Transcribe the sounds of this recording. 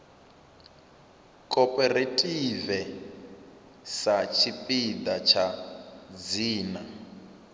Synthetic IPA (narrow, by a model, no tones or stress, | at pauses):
kʼɔpʼɛretʼivɛ | sat͡ʃʰipʼid̪at͡ʃʰa | d͡ziːna